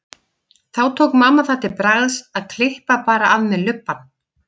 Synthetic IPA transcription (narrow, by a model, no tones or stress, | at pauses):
θawt̪ʰoːwkmaːmaθaht̪ːɪpɾaɣðsaðkʰlɪhpapaːɾaʔaðmɛðlʏpːan